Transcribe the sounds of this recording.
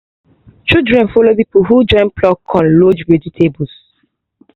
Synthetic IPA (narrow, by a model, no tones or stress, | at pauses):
t͡ʃidɹɛ̃nfolopipuɦud͡ʒɔ̃ɪ̃nplɔkʰːɔ̃nlod͡ʒweditʰebus